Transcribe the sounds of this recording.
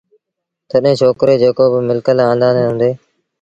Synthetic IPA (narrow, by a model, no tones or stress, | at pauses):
t̪əɗɦẽːt͡ʃʰoːkɾeːd͡ʒeːkoːbɪmɪlkəlãːnd̪aːneːɦʊ̃nd̪eː